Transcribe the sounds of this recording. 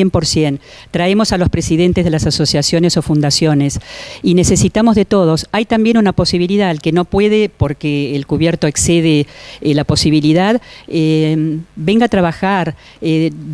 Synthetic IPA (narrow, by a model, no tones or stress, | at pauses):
empoɾsje̞n | t̪ɾae̞mo̞salo̞spɾesiðe̞nt̪ezð̞elasaso̞sjasjo̞ne̞so̞fund̪asjo̞ne̞sine̞se̞sit̪amo̞zðe̞t̪o̞ð̞o̞sajt̪ambje̞nunapo̞siβiliðalkeno̞pwe̞ðepo̞ɾkeːlkuβje̞ɾt̪o̞ekseð̞elapo̞siβ̞iliðaðembe̞ŋɡat̪ɾaβaxaɾ | e